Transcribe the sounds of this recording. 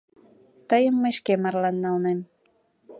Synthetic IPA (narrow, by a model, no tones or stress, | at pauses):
t̪əjəmːəʃkemɑrlɑnːɑlnen